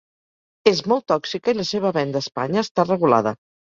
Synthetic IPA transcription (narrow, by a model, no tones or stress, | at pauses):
ezmɔlˠt̪ːɔksikəiləseβ̞əβɛnd̪əːspa̰ɲəːst̪arəɣula̰ðə